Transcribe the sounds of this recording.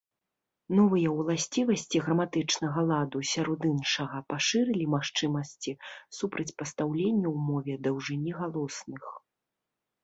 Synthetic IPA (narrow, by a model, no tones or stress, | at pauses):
nɔvɨjɐwlˠasʲt͡sʲivɐsʲt͡sʲiɣɾɐmat̪ɨt͡ʂnɐɣɐlˠad̪usʲaɾɔd̪ɨnʂɐɣɐpaʂɨɾɨlʲimaxt͡ʂɨmɐsʲt͡sʲisupɾɐt͡sʲpɐst̪awlʲenʲːɐwmɔvʲɛd̪ɐwʐɨnʲiɣalˠɔsnɨx